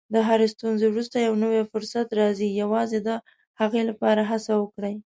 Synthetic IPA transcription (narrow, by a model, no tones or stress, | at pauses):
d̪əɦaɾest̪unzewɾust̪ajawnəwefʊɾsat̪ɾɑzijawɑzed̪ə | haɣelapɑɾaɦasawəkɽəj